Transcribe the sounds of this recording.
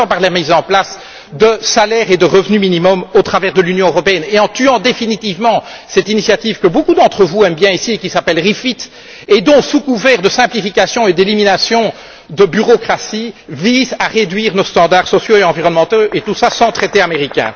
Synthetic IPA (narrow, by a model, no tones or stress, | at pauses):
ɑ̃paʁlɛʁmizɑ̃plas | d̪əsalɛʁed̪əʁəvnyminimɔmot̪χavɛʁd̪əlynjɔ̃øʁɔpeɛneɑ̃t̪yɑ̃d̪efinit̪ivmɑ̃sɛt̪inisjat̪ivkəbokud̪ɑ̃t̪χəvuɛmbjɛ̃isiekʲisapɛlʁifit̪ | ed̪ɔ̃sukuvɛʁd̪əsɛ̃plifikʲasjɔ̃ed̪eliminasjɔ̃ | d̪əbyʁɔkχasivizaʁed̪ɥiːʁnost̪ɑ̃d̪aʁsɔsjoeɑ̃viʁɔnmɑ̃t̪oʔet̪usasɑ̃t̪χet̪eameʁikʲɛ̰̃